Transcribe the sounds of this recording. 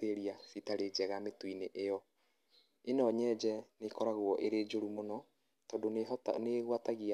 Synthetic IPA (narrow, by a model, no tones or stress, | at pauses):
eɾiasitaɾed͡ʒɛɣametwineʔejɔ | enɔɲɛd͡ʒɛnekɔɾaɣwɔʔeɾeːd͡ʒoɾumonɔ | tɔdontneɣwataɣia